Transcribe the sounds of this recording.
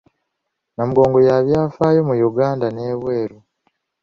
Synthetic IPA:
namuɡo̞ːŋɡo̞jaβjaːfaːjo̞mujuɡaːndane̞ːβweːɾu

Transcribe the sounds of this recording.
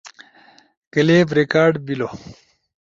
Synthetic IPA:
kɐleːbɾikaːɖbilo

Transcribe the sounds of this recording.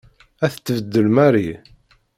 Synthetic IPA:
æθət͡s̪ːəvəd̪ːəlmæɾi

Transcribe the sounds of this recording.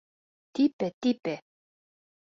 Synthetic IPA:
t̪ipɛt̪ipɛ

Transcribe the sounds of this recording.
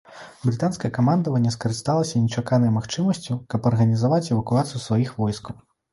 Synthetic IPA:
bɾɨt̪anskɐjɐkamand̪ɐvɐnʲːɛskɐɾɨst̪alˠɐsʲɐnʲɛt͡ʂakanɐjmaxt͡ʂɨmɐsʲt͡sʲukɐpɐrɣɐnʲizavat͡sʲɛvɐkuat̪sɨjusvajixvɔjskɐw

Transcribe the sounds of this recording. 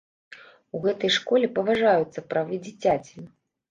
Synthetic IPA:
uɣɛt̪ɐjʂkɔlʲɛpɐvaʐajut̪sːɐpɾavɨd͡zʲit͡sʲat͡sʲi

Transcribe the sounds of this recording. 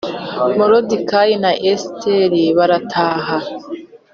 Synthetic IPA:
moɾodikaːjinaʔestʰeɾiβaɾatʰaːɦa

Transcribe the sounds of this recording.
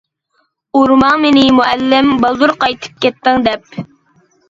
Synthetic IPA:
uɾmɑŋmenɪmuʔɛlːɪmbɑlˠd̪uɾqɑjt̪ʰɨ̥p̚kʲɛt̪ːɪŋd̪ɛp

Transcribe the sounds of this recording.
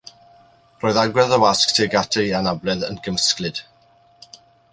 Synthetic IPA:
roːðaɡwɛðəwasktʰeɡatʰejanablɛðənɡəməsklɨd̥

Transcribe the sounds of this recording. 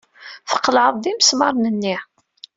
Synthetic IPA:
θə̥qːlʕəðˤd̪iməsmɑɾˤnənːi

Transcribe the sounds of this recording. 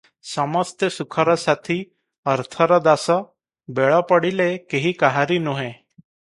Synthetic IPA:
sɔmɔst̪jəsukʰɔɾɔsat̪ʰi | əɾt̪ʰɔɾɔd̪asɔ | beɭɔpəɽilekeɦikaɦaɾinuɦẽ

